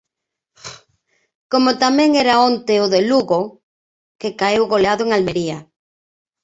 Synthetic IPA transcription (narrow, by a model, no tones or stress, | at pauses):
komot̪amɛ̃ŋɛɾaont̪eoðeluɣo | kekaewɣoleaðoeŋalmeɾia